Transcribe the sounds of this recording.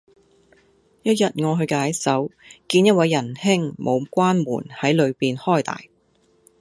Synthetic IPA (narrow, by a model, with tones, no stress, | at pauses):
jɐ˥t̚jɐ˨t̚ŋɔː˨˧ɦɵ˧ɥkaː˨˥jsɐ˨˥wkiː˧njɐ˥t̚wɐ˨˧jːɐ˨˩nhɪ˥ŋmʔo˨˧wkʷwaː˥nmṵː˨˩nhɐ˨˥jlɵ˨˧ɥpiː˨nhɔː˥˩jt̪a̰ː˨˩j